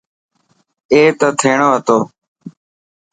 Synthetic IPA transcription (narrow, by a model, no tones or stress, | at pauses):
eːt̪ət̪ʰeːɳoːɦət̪oː